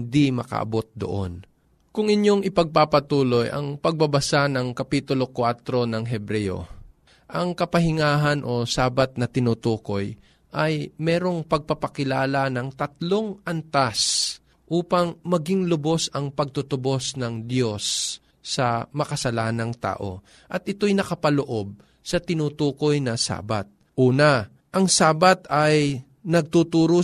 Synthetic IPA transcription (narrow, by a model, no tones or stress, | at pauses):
ɪnd̪imɐ̰kɐ̰ʔɐ̰bo̞t̪̚d̪o̰ʔon | kʊŋɪɲjo̞ŋɪpɐɡ̚papɐt̪uːlo̞jʔɐ̰ŋpɐɡ̚bɐbɐsanɐŋkɐpiːt̪ʊlo̞kwat̪ɾo̞nɐŋɦɛbɾɛjo̞̰ | ʔɐŋkɐpɐhɪŋaːɦɐnʔo̞saːbɐt̪̚nɐt̪ɪnut̪uːko̞j | ʔɐjmɛːɾo̞ŋpɐɡ̚pɐpɐkɪlaːlɐnɐŋt̪ɐt̪̚lo̞ŋʔɐnt̪as | ʔuːpɐŋmɐɡɪŋlobo̞sɐŋpɐɡ̚t̪ʊt̪ʊbo̞snɐŋd̪jo̞sː | ɐmɐkɐsɐlaːnɐŋt̪a̰ːʔo̞̰ | ʔɐt̪̚ʔɪt̪o̞jnɐkɐpɐloʔo̞b̚ | sɐt̪ɪnuːt̪uːko̞jnɐsa̰ːba̰t̪̚ | ʔuːnɐ | ʔɐŋsaːbɐt̪ɐj | nɐɡ̚t̪ut̪uːɾo